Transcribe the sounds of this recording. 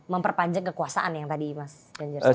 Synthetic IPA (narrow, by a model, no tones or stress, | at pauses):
məmpərpaɲd͡ʒakːəkuasaʔanjaŋt̪adimas | ɡaɲd͡ʒa